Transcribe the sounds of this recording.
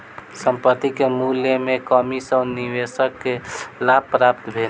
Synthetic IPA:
səmpət̪ːikemuljəmekəmisəniʋesəkːelab̚pɾapt̪bʱel

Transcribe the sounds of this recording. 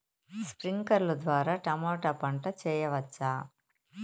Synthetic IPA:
spɾiŋkɐɾlud̪ʋaːɾaːʈɐmɔːʈɐpɐɳʈɐt͡ʃɛːjɐʋɐt͡ʃːaː

